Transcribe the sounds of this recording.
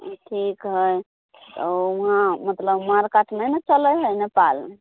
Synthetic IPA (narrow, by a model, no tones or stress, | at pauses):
ʈʰikɦəj | t̪ɔɦãmət̪ləbmaɾkaʈʰmenet͡ʃələjɦəjnepal